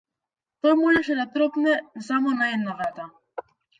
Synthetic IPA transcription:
t̪ɔjmɔʒɛʃɛd̪at̪ɾɔpnɛsamɔnaɛd̪navɾat̪a

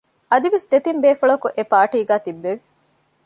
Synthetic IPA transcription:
ɐd̪iʋesd̪et̪imbeːfɐɭɐkuʔepaːʈiːɡæːt̪ibːeʋi

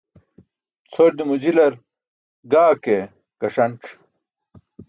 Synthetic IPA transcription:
t͡sʰoɾd̪imud͡ʑilɐɾ | ɡaːke | kɐʂɐɳʈ͡ʂ

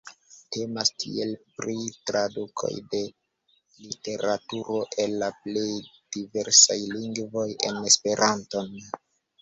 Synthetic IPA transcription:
te̞mastʰḭe̞lpɾitɾadukʰo̞̰jde̞ | lite̞ɾatuɾo̞ʔe̞lːaple̞jd̥ive̞ɾsajliŋɡvo̞je̞̰ne̞spe̞ɾʔanto̞n

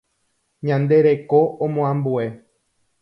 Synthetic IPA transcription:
ɲãnd̪e̞ɾe̞koʔõmõãmbue̞

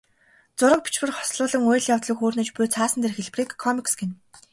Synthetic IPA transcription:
t͡sʊɾə̆k̚pi̥t͡ɕpɘ̆rχɔ̥sɮʊːɮə̆ŋʊjɮjawt̪ɮə̆kxoːrnĕːt͡ɕpʊjt͡sʰaːsə̆nt̪̬ʰerxeɮpriːkʰːɔmiksɡen

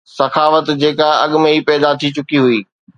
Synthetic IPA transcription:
sɐxaːfət̪d͡ʑeːkaɐɠʊmẽipɛːd̪at̪ʰit͡ɕʊkiɦuiː

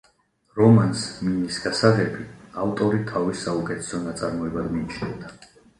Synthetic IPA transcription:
ɾɔmansmimisɡ̥asaʁɛbiaft̪ʼɔɾit̪ʰavisːaukʼɛt̪ʰɛ̥sɔnat̪sʼaɾmɔɛbad̪miːt͡ʃʰnɛvd̪a

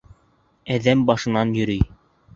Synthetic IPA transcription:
æðæmbɑʃɤ̆nɑnjɵ̆ɾɘj

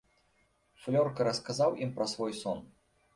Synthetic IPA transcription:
flʲɔrkɐɾɐskazawʔimpɾɐsvɔjsɔn

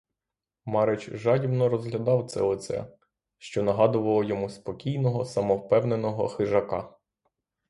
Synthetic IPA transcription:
mɑɾet͡ʃʒɑdʲimnɔɾɔzɦlʲɐd̪ɑwt̪sɛ̰ɔt̪sɛ̰ | ʃt͡ʃɔnɐɦɑd̪ʊʋɐlˠɔjɔmuspɔkʲijnɔɦɔsɐmɔwpɛwnenɔɦɔ̰xɪʒɐkɑ

